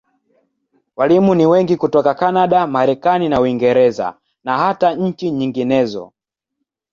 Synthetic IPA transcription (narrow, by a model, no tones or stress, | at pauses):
walimuniwɛŋɡikutɔkakanaɗamaɾɛkaninauiŋɡɛɾɛza̰ | naɦataɲ̩t͡ʃiɲiŋɡinɛzɔ̰